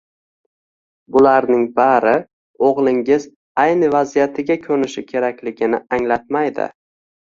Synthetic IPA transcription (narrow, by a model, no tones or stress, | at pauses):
bʊlaɾnɪŋbaɾɪ | oʁlˠɪŋɪz | ajnɪvazijat̪ʰɪɡʲakʲʰɵnɪʃɪkʲʰe̞ɾakʲlɪɡʲɪnɪaŋlat̪̚majd̪ɪ̰